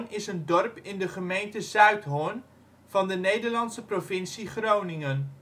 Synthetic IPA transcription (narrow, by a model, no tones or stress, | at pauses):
nɪsəndɔrpɪndəχəmejntəzœɥtɦon | v̥ɑndənejdəɹlɑntsəprovɪnsiχrownɪŋən